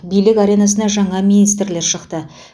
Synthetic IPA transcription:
bijlɪkʲaɾʲe̞nɑs̬ənɑʒɑɴɑminijst̪ɾle̞ɾʃəqt̪ə

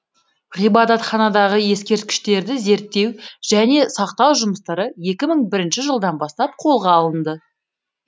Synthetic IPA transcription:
ʁijbɑd̪ɑt̪χɑnɑd̪ɑʁəje̞skʲe̞ɾt̪̚kʲɪ̥ʃt̪e̞ɾd̪ɪze̞ɾt̪ːe̞wʒ̥æne̞sɑqt̪ɑwʒʊməst̪ɑɾəje̞kʲɪməɴbɪɾɪnʃɪʒəlˠd̪ɑnbɑst̪ɑp̚qʰo̞lˠʁɑːlˠənd̪ə

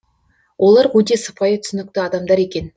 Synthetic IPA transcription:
wʔo̞lˠɑɾʁɵt̪e̞sə̥pɑjət̪ʰʏ̥sɪnɪk̚t̪ɪɑd̪ɑmd̪ɑɾe̞kʲe̞n

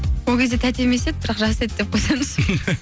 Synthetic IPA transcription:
wolˠkʲe̞zd̪e̞t̪ʰæt̪e̞me̞se̞d̪̚bɪɾɑqʒɑse̞t̪̚d̪ep̚qʰojsejməz

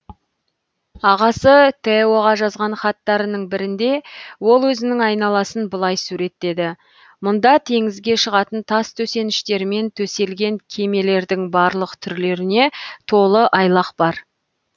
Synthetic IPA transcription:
ɑʁɑsət̪ʰeoʁɑʒɑzʁɑnχɑt̪ːɑɾənəɴbɪɾɪnd̪e̞wo̞lˠwɵzɪnɪŋɑjnɑlˠɑsənbəlˠɑjsuɾe̞t̪ːe̞d̪ɪ | mʊnd̪ɑt̪ʰe̞ŋɪzɡʲe̞ʃəʁɑt̪ənt̪ʰɑst̪ʰɵse̞nɪʃt̪e̞ɾɪme̞nt̪ʰɵse̞lɡʲe̞ŋkʲʰe̞me̞le̞ɾd̪ɪŋbɑɾlˠəqt̪ʰʏɾle̞ɾɪne̞t̪ʰo̞lˠəʔɑjlˠɑqb̥ɑɾ

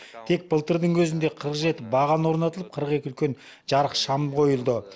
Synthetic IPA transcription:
t̪ʰe̞k̚b̥əlˠt̪əɾd̪əɴwʰɵzɪnd̪e̞qʰəɾəqʒe̞t̪ɪbɑʁɑnwo̞ɾnɑt̪əlˠəp̚qʰəɾəqe̞kʲɪʏlkʲe̞n | ʒɑɾəqʃɑmqʰo̞jəlˠd̪ə

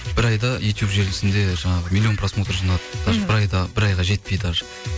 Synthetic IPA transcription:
b̥ɪɾɑjd̪ɑjʔut̪jupʒe̞ɾɡʲɪsɪnd̪e̞ʒɑɴɑʁəmilʲːio̞nprasmo̞t̪rʒɑnɑd̪əd̪̥ɑɾbɪɾɑjd̪ɑbɪɾɑjʁɑʒe̞t̪̚pejd̪ɑɾ

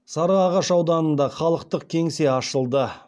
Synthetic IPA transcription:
sɑɾəɑʁɑʃɑwd̪ɑnənd̪ɑχɑlˠəqt̪əq̚kʲʰe̞ŋse̞ɑʃəlˠd̪ə

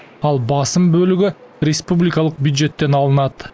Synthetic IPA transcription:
ɑlˠbɑsɯmbølyɡyrʲɪspublʲɪkɑlˠəq̚bʲjud̪ʒe̞t̪ːe̞nɑlˠənɑt̪

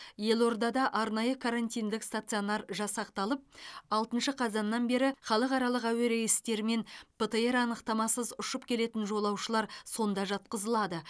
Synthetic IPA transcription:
je̞lˠo̞ɾd̪ɑd̪ɑʔɑɾnɑjəkʰaɾant̪ijnd̪ɪkst̪at̪sɨjo̞nɑrʒɑsɑqt̪ɑlˠəp̚ɑlˠt̪ənʃəqʰɑzɑnːɑnbe̞ɾɪχɑlˠəqɑɾɑlˠəqæweɾejɪst̪e̞ɾɪme̞nb̥ət̪əeɾɑnəqt̪ɑmɑsəzʊʃəpkʲʰe̞le̞t̪ɪnʒo̞lˠɑwʃəlˠɑɾso̞nd̪ɑʒɑt̪̚qəzəlˠɑd̪ə

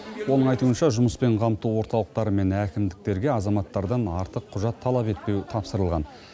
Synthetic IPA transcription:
wo̞nəɴɑjt̪uənʃɑʒʊməspe̞ɴqʰɑmt̪uwo̞ɾt̪ɑlˠəq̚t̪ɑɾəme̞nækʲɪmd̪ɪk̚t̪e̞ɾɡʲe̞ɑzɑmɑt̪ːɑɾd̪ɑnɑɾt̪əqʰːʊʒɑt̪ʰːɑlˠɑpe̞t̪̚pe̞wt̪ʰɑpsəɾəlˠʁɑ̰n

